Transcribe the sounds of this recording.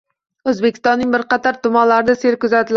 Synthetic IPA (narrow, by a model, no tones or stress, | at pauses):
ɵzbekʲɪ̥st̪ɒnːɪŋbɪɾqɑt̪ʰaɾt̪ʊmanlaɾɪd̪ase̞ɾkʊzat̪ʰɪl